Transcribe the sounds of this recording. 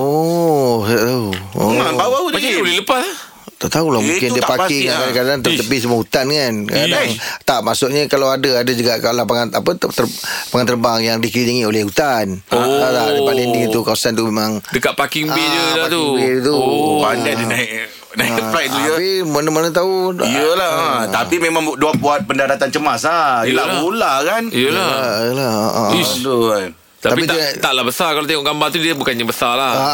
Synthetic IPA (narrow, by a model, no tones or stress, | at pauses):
o | t̪aʔt̪auoaauaaolɛləpas | t̪aʔt̪aulamukɪndəpakɪŋakadakadaŋt̪ut̪əpɪs̬əməɦut̪anŋankadaŋt̪aʔmasʊʔɲəkalawadəadəd͡ʒuɡaʔkalapaŋanapət̪əpaŋant̪ərbaŋjaŋdikɾiniŋiolɛhɦut̪anaalaəpanindit̪ukawasant̪umemãŋdəkaʔ̪̚pakiŋid͡ʒəlapat̪ubet̪upad͡ʒadinaiʔ | naipɾajuəpimənəmənət̪auiəlat̪apimemãŋduapuat̪̚pəndaɾat̪ant͡ʃəmaslailaɡolakanijəlaəlahaʔə̃iu | t̪aapipit̪t̪aʔlahbəsakalot̪eŋɔʔɡambaht̪udiəbukanɲabəsalaha